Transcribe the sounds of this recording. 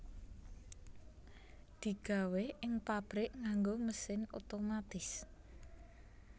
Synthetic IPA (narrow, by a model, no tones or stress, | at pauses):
d̪̥i̤ɡ̥a̤weɪŋpab̥ɾɪʔŋaŋɡoməsɪno̰t̪omat̪ɪs